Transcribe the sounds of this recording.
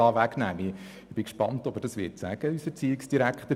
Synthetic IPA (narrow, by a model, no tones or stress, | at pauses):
ɑːʋæɡnæːmi | b̥ɪkʃpɑntɔb̥əɾdɑsʋɪːɾtsæɡ̥əysɛt͡siːɪksd̥iɾækχtə